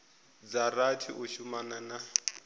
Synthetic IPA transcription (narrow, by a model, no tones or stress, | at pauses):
d͡zaratʰiʔuʃumanana